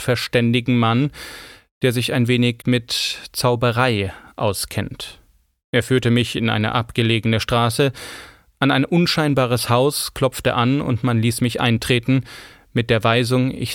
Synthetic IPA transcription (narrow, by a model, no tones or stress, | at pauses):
fɛɐʃtɛndɪɡŋ̩man | d̥eːɐzɪçaɪnveːnɪçmɪtt͡saʊbəʁaɪʔaʊskʰɛ̰nt | ʔeːɐfyːɐtəmɪçɪnʔa̰ɪnə̰ʔapɡ̥əleːɡənəʃtʁ̥aːsə | ʔanaɪnʔʊnʃaɪnbaːʁ̞əshaʊskʰl̥ɔp͡ftə̰ʔanʊ̰ntmanliːsmɪçʔa̰ɪntʁ̥eːtn̩ | mɪt̚d̥eːɐvaɪzʊŋɪ̰ç